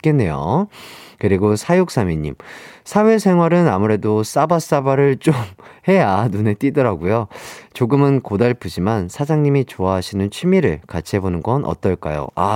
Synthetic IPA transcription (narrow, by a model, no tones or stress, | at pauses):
k͈e̞nːe̞jo̰ | kɯɾiɡosʰajok̚s͈amiɲːḭmsʰawe̞sʰe̞ŋɦwaɾɯnamuɾe̞dos͈abas͈abaɾɯɭt͡ɕ͈omhe̞janune̞t͈idʌɾaɡujot͡ɕoɡɯmɯnkodaɭpʰɯd͡ʑimansʰad͡ʑaŋɲimit͡ɕoaɦaɕʰinɯnt͡ɕʰimiɾɯ̰ɭkat͡ɕʰiɦe̞bonɯnɡʌnʔʌ̰t͈ʌɭk͈a̰jo̰a